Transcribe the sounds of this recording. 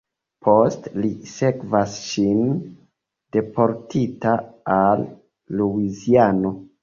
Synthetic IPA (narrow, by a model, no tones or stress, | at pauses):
pʰo̞stlise̞kvasʃin | d̥e̞po̞ɾtitaalː | uiziano̞